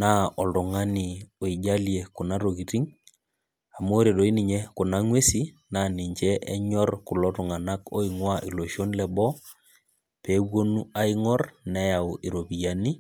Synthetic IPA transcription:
na˦ɔ˨ldɔ˨ŋa˦ni˨o˨i˨d͡ʒa˦lje˨kʊ˨na˦ɾo˨ki˨ti˦ŋ | a˨mo˦ɾe˨ɗo˨i˦nɪ˨ɲɛ˦kʊ˨na˦ŋwe˦si˦na˦ni˨ɲd͡ʒɛ˦ʔɛ˦ɲɔ˦rkʊ˨lɔ˦tʊ˨ŋa˨na˦ko̰˦i˨ŋwa˦ʔi˨lo˨ʃo˦nlɛ˨bɔ˦ | peː˨˦wwo˦nu˦a˦ɪ˦ŋɔ˦rnɛ˦ja˨ʊ˨ʔi˨ɾo˨bi˨ja˨ni˦

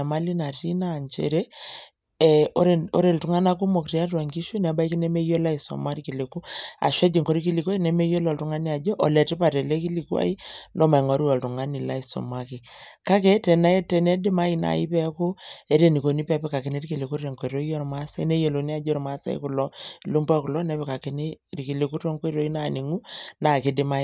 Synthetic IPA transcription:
ma˦li˦na˨ti˦naː˦˨nt͡ʃḛ˨ɾe˦ | ɛ˨o˦ɾe˨o̰˦ɾe˨ltu˨ŋa˦na˦k̬u˦mo˨kti˦a˦twa˨ŋki˦ʃu˦n˨a˨ba˦i˦ki˦nɛ˦me˦jo˦la˦i˨sɔ̰˨ma˦ɾi˦ki˨le˨ku˦a̰˨ʃwɛ˦d͡ʒi˨ŋko˦ɾi˦ki˦li˨ka˦nɛ˦me˦jo˦lɔ˨ltu˨˦ŋa˦ni˦a˨d͡ʒɔ˦ʔɔ˨lɛ˨ti˦pa˨tɛ˨le˦ki˦li˨kwa̰˦i˦ndɔ˦ma˨i˨ŋɔ˨˦ɾi˦ɔ˨ltu˨ŋa˦ni˨la˦i˨sɔ̰˨ma˦ki˨ka˦kɛ˦tɛ˨na˦e˦tɛ˨nɛ˦dɪ˦ma˦i˦na̰˨ḭ˦pɛ˦ko˦e˦ɾe˨ni˨ko˨ni˦pɛ˦pɛ˦ka˨ke˨ni˦ɾi˦ki˨le˨ku˦ɾe˨ŋko˨i˨ɾo˦i˦jo˦ɾma˦sa˦i˦ne˦jo˨lo˨ni˦a˨d͡ʒɔ˦ɾma˦sa̰˦ḭ˦kʊ˨lɔ˦˨lu˦mbɔ˦ku˨lɔ˦nɛ˨˦pɛ˨ka˨ke˨ni˦ɾi˨ki˨le˨ku˦to˦ŋko˦i˦ɾo˦i˦na˦˨ni˨ŋu˦na˨kɪ˦dɪ˦ma˦i˨

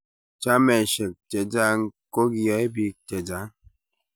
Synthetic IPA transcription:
t͡ʃa˦mɛ˨ʃɛ˨k̚tɛ˨d͡ʒa˦ŋ̩˦ko˦ɡa˨˦e˦bi˦tɛ˨d͡ʒa˨˦

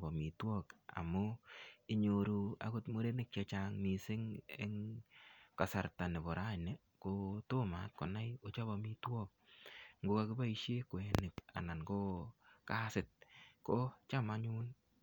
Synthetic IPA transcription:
bɔ˨mi˨twɔ˦ka̰˨mʊ˦ɪ˦ɲo˨ɾu˧a̰˦kʊ˦tmo˦ɾe˦nɪ˦k̚t͡ʃa˧t͡ʃaŋmi˨sɪ˦ŋ̰˦ŋ | ka˨sa˨ɾta˨nɪ˨bɔ˨ɾa˦˨ne˨ | ko˦tʊ˦ma˨˦t̚kɔ˨na˦jo˨˦t͡ʃa˦ba˨mi˦twɔ˦k̚ŋɡo˦ka˧kɪ˦ba˦i˧ʃje˦kwɛ˨˦nɪ˨ka̰˨na˨nkɔ˦ka˦sɪ˨t̚kɔ˦t͡ʃa˦ma˦ɲʊ˦n

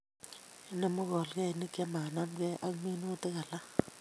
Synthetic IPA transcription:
ne˨mu˦kɔ˨lkɛ˦˨ni˦kʼa˦ma˨na˦m˦k̬ɛ˦ʔa˦mi˦nu˦tʼɛ˦ka˨la˦

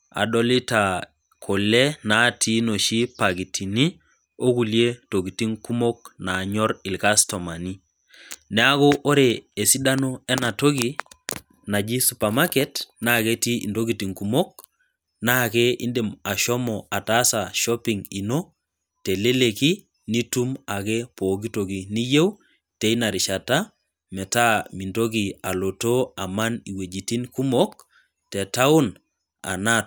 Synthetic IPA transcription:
a̰˨dɔ˦li˦ta˨ | kʰo˨lɛ˦na˨˦tʰi˦no˨ʃi˦pa˨ɡi˨tʰi˨ni˦ | o˦ku˨lje˦to˨ɡi˨ti˦ŋku˦mo˦k̚na˨ɲɔ˦ɾɪ˨lka˦stɔ˨ma˨ni˦ | nɛ˨˦a˦ko˦ʔo˦ɾe˨e˨si˦da˦no˦ɛ˦na˨to˦ɡi˦ | na˨d͡ʒi˦su˨pa˨ma˦kɛ˦tna˦˨ke˦ti˦ḭ˨ndo˦ɡi˨ti˨ŋku˨mo˦k̚ | na˦kɛ˦ḭ˦nde˨ma˨ʃɔ˦mɔ˨a˨ta˦sa˨ʃɔ˦pi˨ŋi˨no˦ | tɛ˨le˦le˨ki˦ | ni˦tu˦ma˨kɛ˦po˨ɡi˦to˨ɡi˨ni˦je˦w | tɛ˨i˦na˨ɾɪ˨ʃa˨ta˦ | mɛ˨ta˦mi˨ndo˦ɡi˨a˨lo˨to˦a˨ma˦ni˨we˨d͡ʒi˨ti˦nku˦mo˦k̚ | tɛ˨ta˦u˦n | a̰˨na˦

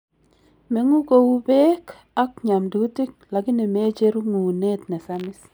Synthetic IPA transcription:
me˨˦ŋu˦ko˨u˦bɛ˦k | a˦k̚ɲa˨mdu˨˦ti˦k̚la˨ɡi˦ni˨me˦t͡ʃe˦ɾu˦ŋu˨ne˦tnɛ˨sa˦mɪ˦s

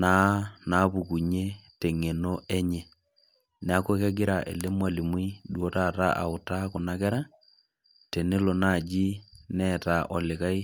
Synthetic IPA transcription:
na˦na˨βu˨ku˨ɲe˦te˨ŋe˨no˦ɛ˦ɲɛ˨ | ne˨a˦kwe˦kɛ˦ɡɪ˦ɾa˨ʔḛ˨le˦mwa˨li˨mwi˦dwo˦tata˦ʔa̰˨u˨tako˨na˦kɛ˦ɾa˦ | te˨ne˦lo˨na˨d͡ʒi˦nɛta˨ʔɔ˨lɪ˨ka˦i˦

